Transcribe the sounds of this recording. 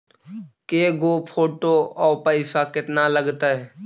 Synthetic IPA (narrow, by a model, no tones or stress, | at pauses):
keːɡopʰoːʈoɔːpəɪsakɪt̪naləɡt̪aɦɛː